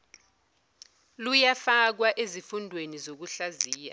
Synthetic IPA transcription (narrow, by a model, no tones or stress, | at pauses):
lujafak̬waʔezifundʱwenizok̬uɬaziːja̰